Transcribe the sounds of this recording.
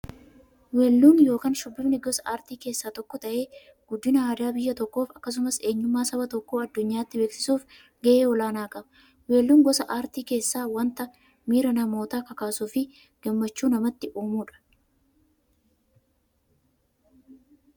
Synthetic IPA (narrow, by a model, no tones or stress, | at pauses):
weːlːuːnjo̞ːkaːnʃʊbːɪbnɪɡɔsɐaːɾt̪iːke̞ːsːaːt̪ɔkːɔt̪ɐʔe̞ː | ɡ̥ʊd̪ːɪnɐaːd̪aːbɪjːɐt̪ɔkːo̞ːfɐkːɐs̬ʊmɐse̞ːɲːʊmːaːsɐbɐt̪ɔkːoːɐd̪ːʊɲːaːt̪ːɪbeːksɪ̥suːf | ɡɛʔeːɔlaːnaːkʼɐbɐ | weːlːuːŋɡɔsɐʔaːɾt̪iːke̞ːsːaːwɐnt̪ɐ | miːɾɐnɐmo̞ːt̪aːkɐkaːsuːfɪ | ɡ̥ɐmːɐt͡ʃːuːnɐmɐt̪ːɪʔuːmuːᶑɐ̥